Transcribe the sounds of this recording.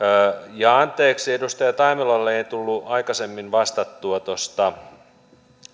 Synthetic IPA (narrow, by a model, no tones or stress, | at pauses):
jɑɑnt̪ːˑeːksiedust̪ɑjɑt̪ɑimilɑlːeeit̪ulːuɑikɑsemːinʋɑst̪ɑt̪ːuɑt̪ost̪ɑ